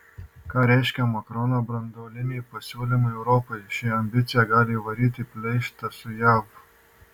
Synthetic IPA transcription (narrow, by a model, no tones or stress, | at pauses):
kaɾeɕkamɐkɾonabɾɐnd̪oːlinipɐsolimɐewɾoːpɐʃiɐmbit͡sjaɡaliʋɐɾit̪ipleʃt̪ɐsujab